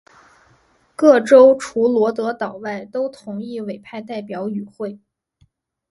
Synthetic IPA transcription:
kɤ˥˩ʈ͡ʂo˥ʊʈ͡ʂʰu˧˥lwɔ˧˥t̪ɤ˧˥t̪ɑ˨˩ʊwa˥˩ɪt̪o˥ʊt̪ʰʊ˧˥ŋi˥˩we˨˩ɪpʰa˥˧ɪt̪a˥˩ɪpjɑ˧˥ʊy˨˩xwe˥˩ɪ

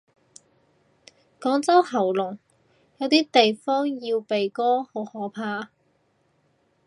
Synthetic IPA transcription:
kɔː˨˥ŋt͡sɐ˥whɐ˨˩wlʊ˨˩ŋ | jɐ˨˧wt̪iː˥t̪e˨jfɔː˥ŋjiː˧wpe˨jkɔː˥ho˨˥whɔː˨˥pʰaː˧

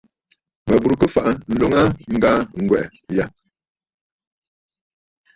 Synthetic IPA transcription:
mə˨bu˨ɾkə˦fa˦ʔa˨n̩˦lo˦ŋa˦ŋ̩˦ɡaː˦ŋ̩˨ɡwɛ˨ʔja˦

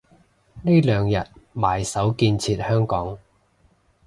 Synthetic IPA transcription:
ne˥jlœː˨˧ŋjɐ˨t̚maː˨jsɐ˨˥wkiː˧nt͡sʰiː˧t̚hœː˥ŋkɔː˨˥ŋ

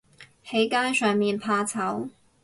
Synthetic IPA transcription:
he˨˥jkaː˥jsœː˨ŋmiː˨npʰaː˧t͡sʰɐ˨˥w

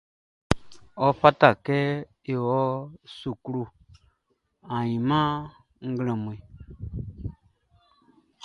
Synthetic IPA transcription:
ɔ˦fa˦ta˦˨kɛ˦ | e˨wɔ˦su˨kɾu˨ | a˨jĩ˨mã˦ | ŋ̩˦ɡlɛ̃˨m˨i˨

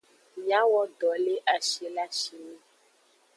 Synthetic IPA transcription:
mĩ˨˦ã˦wɔ˦ɖɔ˨le˦ʔa˨ʃi˨la˦ʃi˨mĩ˦

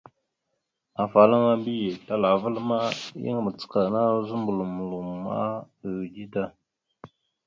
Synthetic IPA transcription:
a˨fa˨la˦ŋa˦mbi˦je˨ta˦la˨və˦lma˦jḭ˦ŋ˨mə˨t͡sə̥˨ka˨na˦zu˦mbu˨lu˨mu˨lu˨m˨ma̰˦ʔ | ə˨ɣd͡ʒi˦ta˦

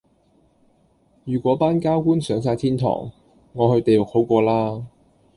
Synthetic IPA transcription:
jyː˨˩kʷwʷɔː˨˥paː˥nkaː˥wkuː˥nsœː˨˥ŋs̬aː˧jt̪ʰiː˥nt̪ʰɔ̰ː˨˩ŋː | ŋɔː˨˧hɵ˧ɥt̪e˨jlʊ˨k̚ho˨˥wkʷɔː˧laː˥

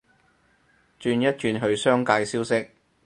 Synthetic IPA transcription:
t͡ʃyː˧njɐ˥t̚t͡ʃyː˧nɦɵ˧ɥsœː˥ŋkaː˧jsiː˥wsɪ˥k̚

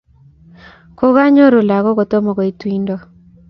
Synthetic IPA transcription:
ko˦ɣa˦ɲo˦ɾu˨la˨ɣɔ˦ɡo˨t̪o˦mɔ˨ɡɔ˨i˨twi˦ndo˦˨

